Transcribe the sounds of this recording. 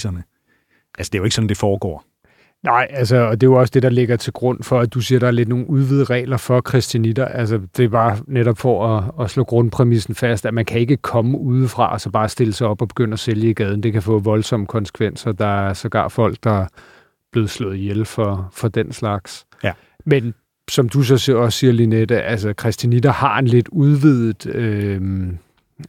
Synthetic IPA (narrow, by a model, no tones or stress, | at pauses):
ɐnə | ʔælsəd̥e̝joe̝ɡ̥sɒ̽n̩d̥e̝fɒːɡ̥ɒ̰ː | nɑ̈ɪ̰ælsəɒ̽d̥e̝jo̝ɒ̽sə̥d̥e̝d̥ɑ̈le̝ɡ̥ɐt͡sʰe̝lɡ̥ʁɔ̽n̰fɒ̽æd̥usiːɐɾ̥ɑ̈æɐle̝d̥no̝ːn̩uðˠʋið̰ˠəʁɛ̰ːlɐfɒ̽kʰʁɛsd̥ænid̥ɐʔæls̬əd̥e̝b̥ɑ̈ːneɾɒ̽b̥fɒɒːslɔ̰ːɡ̥ʁɔ̽npʰʁɛmisn̩fæsd̥æmænkʰæe̝ɡ̥əkʰɒ̽məuːð̞ˠəfʁɑ̈ʔɒ̽sɒ̽b̥ɑ̈ːsd̥e̝ləsɑ̈ɪɒ̽b̥ɒ̽b̥e̝ɡ̥øn̰ɐæseljəiɡ̥ɛːð̞ˠn̩d̥e̝kæfɔ̰̽ːʋɒ̽lsɒ̽məkʰɒ̽nsə̥kʰʋen̰sɐd̥ɑ̈æɐsɒ̽ɡ̥ɑ̰̥̈ːfɒ̽l̰ɡ̥̚d̥ɑ̈æɐ | b̥le̝ːð̞̩ˠslɔ̰̽ːð̩ˠjelfɒfɒ̽d̥enslɑ̈ɡ̥s | men | sɒ̽md̥us̬ɒ̽seɐɒ̽sːiɐlined̥əʔæls̬əkʰʁɛsd̥inid̥ɐhɑ̈e̝nle̝d̥uðˠʋið̩ˠø